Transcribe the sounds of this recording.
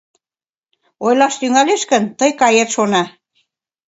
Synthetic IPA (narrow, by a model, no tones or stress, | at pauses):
ojlɑʃt̪yŋæleʃkə̆nt̪əjkɑjet̪ʃonɑ